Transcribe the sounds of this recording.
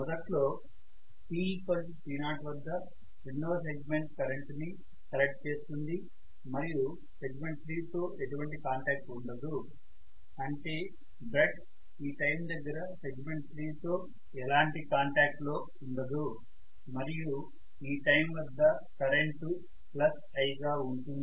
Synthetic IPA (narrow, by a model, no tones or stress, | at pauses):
mɔd̪ɐʈlo̞ː | piːpɐl | piːnaːʈʋɐd̪ːɐ | inːoːse̞ɡme̞ɳʈ̚kɐɾe̞ɳʈni | kɐlek̚ʈ̚t͡ʃe̞ːst̪und̪i | mɐɾiju | se̞ɡme̞ɳʈ̚t̪ʰɾiːt̪o̞ːʔe̞ʈuʋɐɳʈikaːɳʈaːk̚ʈuɳɖɐd̪u | ɐɳʈe̞ː | bɾeʈ | iːʈɐjmd̪ɐɡːɐɾɐse̞ɡme̞ɳʈ̚t̪ʰɾiːt̪o̞ː | ɛlaːɳʈikaːɳʈaːk̚ʈlo̞ː | uɳɖɐd̪u | mɐɾiju | iːʈɐjmʋɐd̪ːɐ | kɐɾeɳʈu | plɐs | ɐjɡaːuɳʈund̪i